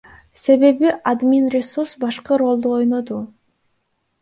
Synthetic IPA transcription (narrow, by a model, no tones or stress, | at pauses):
se̞βe̞βiʔad̪mʲinrʲɪsuɾsbɑʃqɯɾo̞lˠd̪uo̞jno̞d̪u